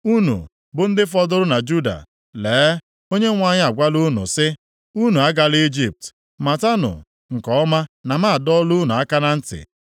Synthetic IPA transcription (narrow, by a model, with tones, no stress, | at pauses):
u˦nṵ˨ | bʊ˨n̩˦dɪ˦fɔ˦dʊ˦ɾʊ˦na˨d͡ʒu˦da̰˨ | leː˨˦ | o˦ɲe˦ŋʷa˦ɲɪ˦a˨ɡʷa˦lu˦nṵ˨sɪ˦ | u˦nu˨a˦ɡa˨li˦d͡ʒi˦˨p̚t | ma˨ta˦nʊ̰˨ | ŋ̩˨kɔ˨ɔ˦ma˦na˨ma˦a˨dɔ˦lu˦nu˨a˦ka˦na˦n̩˦tɪ̰˨